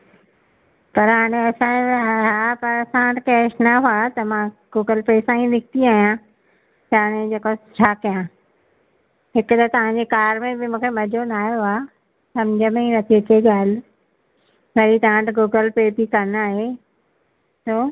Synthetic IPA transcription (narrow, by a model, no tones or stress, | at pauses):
pɐɾɦaːɽ̃ẽɐsãɦaːpɐɾɐsãʈkɛːʃnɐɦuat̪ɐmãɡ̥uːɡəlpeːsãĩnɪkʰt̪iaːɦjã | t̪aːɽ̃ẽd͡ʑeːkot͡ɕʰaːkijã | ɦɪkt̪ɐt̪ɐʋ̤ãɲd͡ʑekaːɾmẽbɪmũːkʰemɐd͡ʑʱonaːjoaː | sɐmd͡ʑʱəmẽĩnɐt̪ʰiɪk̪ʰeɡaːl | ʋɐit̪ãʈɡuːɡəlpeːpikɐnaːɦe | soː